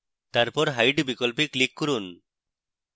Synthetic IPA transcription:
t̪aɾpɔɾɦajɖbikɔlpiklikːɔɾun

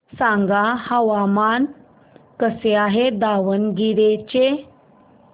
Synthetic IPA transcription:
sãŋɡahəʋaman | kəseaɦed̪aʋənɡiɽet͡ɕe

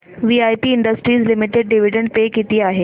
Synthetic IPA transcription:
ʋiːaːjpiɪ̃ɳɖəsʈɾiːzlɪmɪʈeɖ̚ɖɪʋɪɖə̃ɳɖpeːkit̪iaːɦeː

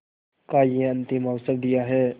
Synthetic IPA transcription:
kajẽənt̪imawsəl̚d̪ijaɦɛ

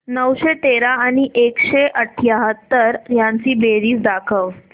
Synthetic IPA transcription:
nəwɕet̪eɾaːɽ̃iʔekɕeʔəʈʰjaɦət̪ːəɾjãɲt͡siːbeɾiːsd̪akʰəʋ

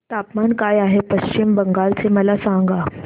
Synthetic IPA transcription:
t̪apmankajaɦepəɕt͡ɕimbəŋɡaɾt͡seməlasãŋ̆ɡa

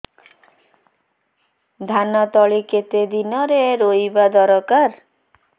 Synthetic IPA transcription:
d̪ʱanɔt̪ɔɭiket̪ed̪inɔɾeɾojbad̪ɔɾɔkaɾ

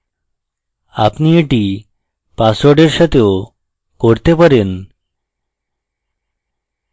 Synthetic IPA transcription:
a̰pnieʈi | pasoɖeɾʃat̪ʰeo | koɾt̪epaɾen

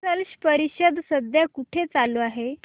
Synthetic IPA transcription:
əlɕpəɾiɕəd̪səd̪ʱjakuʈʰet͡saloaɦe

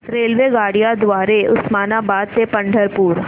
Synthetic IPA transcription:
ɾeːlʋeɡaːɽijad̪waːɾeʊsmaːnabaːd̪̚sepɐ̃ɳɖʱəɾpuːɾ

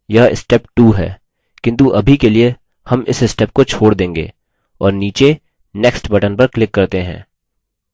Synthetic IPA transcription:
jaɪ̰sʈɛpʈuːɦɛ̰ː | kɪ̃nt̪̬uʔɐbʱikelie | hɐmɪ̰sɪsʈɛːp̚kot͡ʃʰoːɽd̪ẽːŋɡḛː | ɔːɾniːt͡ʃe | nɛksʈbɐʈənpɐɾklɪkːɐɾt̪eɦɛ̰̃ː

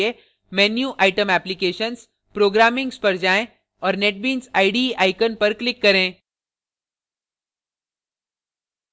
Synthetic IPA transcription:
e | mɛːnjuʔaːɪʈəmɛːplikeːʃəns | pɾoːɡɾaːmɪ̃ŋɡspɐɾd͡ʒaːẽ | ɔːɾneʈ̚bĩːnsaɪɖiʔaːɪkənpɐɾklɪkːɐɾẽː

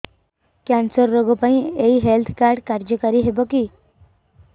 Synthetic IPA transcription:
kãnsəɾːoɡɔpaĩeiɦelt̪ʰkaɾɖkaɾd͡ʑəkaɾiːɦebəki

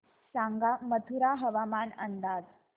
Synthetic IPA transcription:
saŋɡamət̪ʰuɾaɦəʋamanənd̪aːd͡z

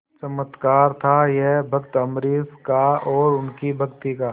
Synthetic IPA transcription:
t͡ʃəmət̪kaːɾt̪ʰajeɦbʱɐkt̪ɐmɾiːskaɔːɾʊnkibʱɐkt̪ikaː

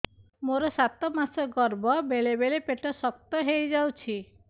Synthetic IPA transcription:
moɾɔsat̪ɔmasɔɡɔɾbɔbeɭebelepeʈɔsɔk̚t̪ɔɦejd͡ʒawt͡ʃʰi

